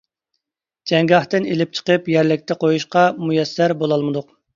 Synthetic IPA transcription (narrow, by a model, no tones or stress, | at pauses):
d͡ʒɛŋɡɑχt̪ɨnelɪp̚t͡ʃʰə̥qəpjɛɾlɪk̚ʲt̪ʰɛqʰojuʃqɑmujɛsːæɾbolˠɑlˠmɨd̪ʊq